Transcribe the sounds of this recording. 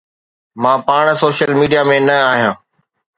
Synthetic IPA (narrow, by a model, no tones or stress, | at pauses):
mãːpaːɽ̃soːʃəlmiːɖijamẽnɐaːɦijãː